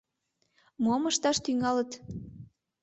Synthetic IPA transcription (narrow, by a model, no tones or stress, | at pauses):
muoməʃt̪ɑʃt̪yŋɑlət̪